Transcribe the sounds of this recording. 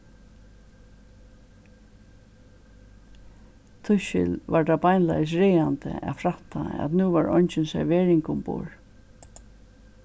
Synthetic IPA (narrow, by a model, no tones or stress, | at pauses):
t̪ʰʊʃɪ̰lʋad̪abajnla̰js̬ɹɛːant̪ə̰ʔa̰fɾaht̪ʰaa̰t̪nuːvaɹɔ̰ɲt͡ʃɪnsɛ̰ɾʋɛːɹɪŋkʊmpo̰ːɹ